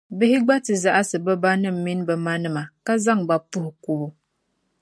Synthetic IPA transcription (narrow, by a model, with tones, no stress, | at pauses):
bɨ˦hɪ˦ɡ͡ba˦tɨ˨za˨ʔa˦sɨ˨bɛ˦ba˦nɨ˦m̩˨mi˦nbɛ˨ma˦nɨ˦ma˨ka˦za˦˨ŋba˦pu˦hku˦bu˦